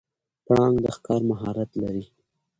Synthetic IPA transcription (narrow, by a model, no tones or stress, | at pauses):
pɽɑŋɡd̪əxkɑɾmaɦɑɾat̪laɾi